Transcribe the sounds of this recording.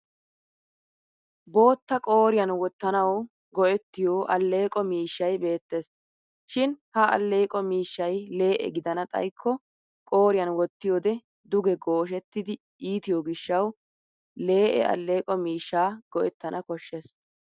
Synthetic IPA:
bo̞ːt̪ːɐkʼo̞ːɾɪjɐnwɔt̪ːɐnɐw | ɡɔʔɛt̪ːɪjoːʔɐlːe̞ːkʼɔmiːʃːɐjbe̞ːt̪ːes | ʃɪnhɐɐ̰lːe̞ːkʼɔmiːʃːɐjle̞ːʔɛ̰ɡɪd̪ɐnɐt̪ʼɐ̰jkʰːɔ | kʼo̞ːɾɪjɐnwɔt̪ːɪjoːd̪ɛ | d̪ʊɡɛɡoːʃɛt̪ːɪd̪ɪ | iːt̪ɪjoːɡɪʃːɐw | le̞ːʔɛ̰ɐ̰lːe̞ːkʼɔmiːʃːaːɡ̥ɔʔɛt̪ːɐnʔɐkɔʃːɛs

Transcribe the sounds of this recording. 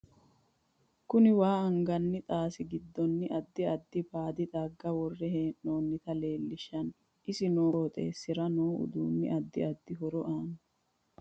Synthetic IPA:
kʊnɪwaːɐŋɡɐnːɪt̪ʼaːsɪɡɪd̪ːɔnːɪʔɐd̪ːɪɐd̪ːɪpaːd̪ɪt̪ʼaɡːɐwɔrːɛheːʔnoːnːɪt̪ɐle̞ːlːɪʃːɐn | ʔɪsɪnoːɔt̪ʼḛːsːɪɾɐnoːʊ̰d̪ṵːnːɪ̰ʔɐd̪ːɪ̰ɐd̪ːɪɦɔɾɔʔaːnʊ

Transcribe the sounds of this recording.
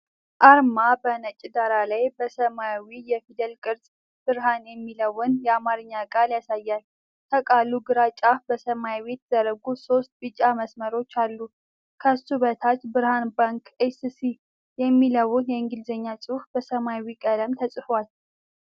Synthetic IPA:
ʔaɾmabənət͡ʃʼid̪aɾalajbəsəmawijɛfid̪ɛlkʼɨɾsʼ | b̥ɨɾɦanjɛmːiləwɨnjɛamaɾɨɲːakʼaljasajːal | t̪ʰəkʼalːuɡɨɾat͡ʃʼabəsəmaβe̞t̪z̥əɾəɡuso̞st̪̚bɨt͡ʃʼːaməsməɾo̞t͡ʃːalːu | kʰəst̪uβət̪ʰat͡ʃːbɨɾhanbaŋkesisi | jɛmːiləwʊnjɛɨŋɡɨlzəɲːat͡sʼɨfbəsəmawikʼələmt̪ʰəsʼɨfwal

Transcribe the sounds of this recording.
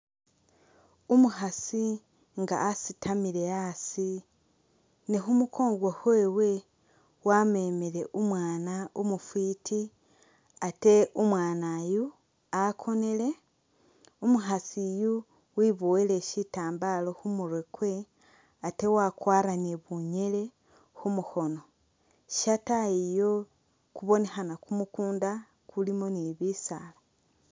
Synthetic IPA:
umuɦasi | ŋɡa̰ːsitʰamiɾe̞asi | niɦumukʰo̞ːŋɡwohweːwe̞ | wame̞ːmeɾe̞ʔumwaːnaomufwiːtʰi | ate̞umwaːnaju | akʰo̞ne̞le̞ | umuxasiju | wiβoile̞ʃitaːmbalo̞humuɾwekwe̞ | ate̞wakwaːɾanieβuɲe̞le̞ | xumuxo̞no̞ | ʃataijo̞ | kuβo̞ne̞xanakumukuːnda | kulimo̞niβisala

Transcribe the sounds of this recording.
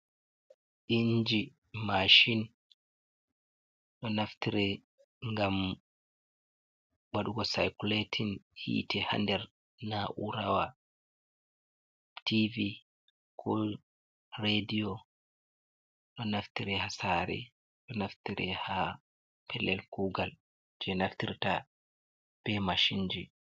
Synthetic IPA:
ʔiɲd͡ʒi | maʃin | ɗɔnaftiɾɛ | ŋɡam | waɗuɡɔsajkuletʰinhḭːtɛha̰ndɛɾ | naʔuɾawa | tivi | kʰɔ | ɾedijɔ | ɗɔnaftiɾɛhasaɾɛ̰ | ɗɔnaftiɾʔɛha | pʰɛlːɛlkuːɡal | d͡ʒɛnaftiɾta | b̥ɛmaʃiɲd͡ʒi

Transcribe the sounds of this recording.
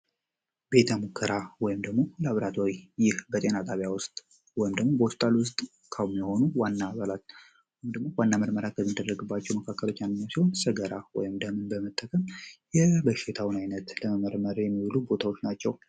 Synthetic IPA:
be̞t̪ʰəmukʰːəɾawɔjɪmd̪əɡmo̞ləaβɾat̪ʰowijɪhbət̪ʼe̞nat̪ʼaβjawʊst̪ʼ | wɔjɪmd̪əɡmo̞bəwɔst̪ʼalwʊst̪ʼ | kʰawumjɛho̞nuwanːaːβalat̪ | umd̪əɡmo̞wanːaməɾməɾakʰəmːid̪ərːəɡɨbːat͡ʃːɛwməkʰakːəlo̞t͡ʃːjanːɨɲːasiho̞nsɨɡəɾawɔ̰jɪmd̪əmɨnbəmət̪ʼːəkʼəmjɛbəʃɪt̪ʰawɨnajnət̪ləməməɾməɾjɛmːiwlubo̞t̪ʰawo̞t͡ʃːnat͡ʃːɛw

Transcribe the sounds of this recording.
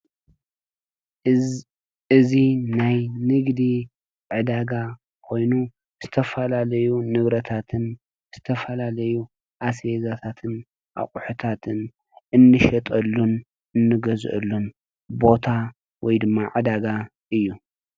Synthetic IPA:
ɨzinajnɨɡd̪i | ʕɨd̪aɡa | kʰo̞jnu | z̥ɨt̪ʰɐfɐlalɐjunɨβɾɐt̪ʰat̪ʰɨn | z̥ɨt̪ʰɐfɐlalɐju | ʔasezat̪ʰat̪ʰɨn | ʔa̰χʼuħut̪ʰat̪ʰɨn | ɨnːɨʃɐt̪ʼɐlːun | ɨnːɨɡɐzʔɐ̰lːun | bo̞t̪ʰa | wɔjd̪ɨmːaʕɨd̪aɡa | ʔɨjːu

